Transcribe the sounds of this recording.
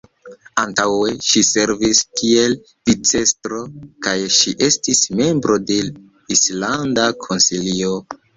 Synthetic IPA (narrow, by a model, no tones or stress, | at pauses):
antaweʃise̞ɾviskʰie̞l | d̥it͡se̞stɾo̞kajʃiʔe̞stisme̞mbɾo̞de̞ | islandakʰo̞nsilio̞